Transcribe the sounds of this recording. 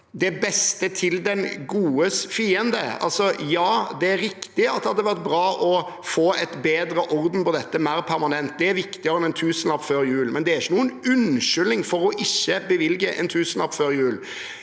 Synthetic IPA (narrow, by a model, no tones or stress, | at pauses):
d̪ɛbɛst̪ət̪ʰɪld̪ɛnɡuːəsfiːənd̪əɑ̰lsɔjɑːd̪ɛæɾːɪkt̪ɪɑt̪̚d̪ɛhɑd̪ːəʋæʁt̪̚bɾɑːʔɔ | foːɛt̪beːd̪ɾəʔɔɾd̪n̩pɔd̪ɛt̪ːəmæːɾpʰæɾmɑnɛnt̪̚d̪ɛæɾʋɪkt̪ɪəɾɔmɛnt̪ʰʉːsənɑpføːɾjʉːlmɛnd̪ɛæɾɪçːənuːənʉnʃʏlnɪŋfɔɾɔʔɪçːəbəʋɪlɡəʔɛ̰nt̪ʰʉːsn̩ɑpføːɾjʉːl